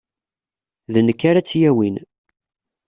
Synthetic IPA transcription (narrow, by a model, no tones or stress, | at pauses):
ðənəkːaɾæt͡sːjæwin